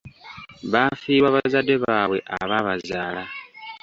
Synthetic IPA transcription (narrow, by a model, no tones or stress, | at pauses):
βafiːβwaːβazade̞βaːβwe̞̰ʔaβaβazaːla